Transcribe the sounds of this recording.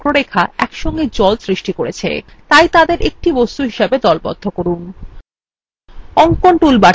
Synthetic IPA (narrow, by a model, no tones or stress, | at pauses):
ɾoɾekʰaɛ̰kʃɔŋɡed͡ʑɔlsɾiʃʈikoɾet͡ɕʰḛt̪ajt̪ad̪eɾʔek̚ʈibɔst̪uɦiʃebed̪ɔlbɔ̰d̪ʱːokoɾun | ɔŋkoɳʈulba